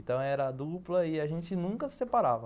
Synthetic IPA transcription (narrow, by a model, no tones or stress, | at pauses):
t̪ɐ̃w̃ɛɾɐːd̪uplɐɪaʒẽnt͡ʃɪnũŋkɐsɪ̥sepaɾa̰vɐ